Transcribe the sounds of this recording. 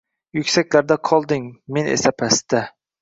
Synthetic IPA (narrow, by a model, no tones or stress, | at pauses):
jʊkʲsakʲlæɾd̪aqʰɒlˠd̪ɪŋmenḛsapʰæst̪ɪ